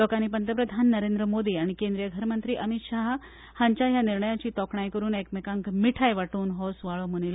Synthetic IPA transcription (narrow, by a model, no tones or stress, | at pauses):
lɔkañipənt̪əpɾəd̪ʱanːəɾend̪ɾəmod̪iːaɽ̃ikẽnd̪ɾijəɡʱəɾmənt̪ɾiːʔəmit̪ɕaɦ | haɲt͡ɕaɦjaniɾɳəjat͡ɕiːt̪ɔkʰɳajkəɾuːnekmekaŋkmiʈʰajʋaʈuːnɦɔsʋaɭomunil